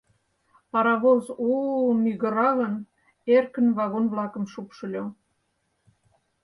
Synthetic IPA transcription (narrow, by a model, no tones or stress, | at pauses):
pɑɾɑβozumyɣə̆ɾɑɣən | erkə̆nβɑɣonβlɑkə̆mʃupʃəlʲo